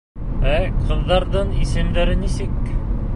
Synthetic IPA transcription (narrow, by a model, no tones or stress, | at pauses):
æqɤ̆ðːɑɾðɤɴisɘ̆md̪æɾɘnisɘk